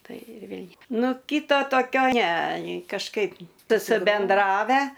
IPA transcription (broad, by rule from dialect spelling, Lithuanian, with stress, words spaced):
ˈtɐɪ ɪr ˈʋʲeːlʲ ˈnʊ ˈkʲiːtɐ toːˈkʲoː nʲɛ kɐʃˈkɐɪp sʊsʲɪbʲɛnˈdrɑːʋʲæː